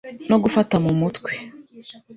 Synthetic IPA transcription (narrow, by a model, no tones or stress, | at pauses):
no̞ɡufatamumutkwe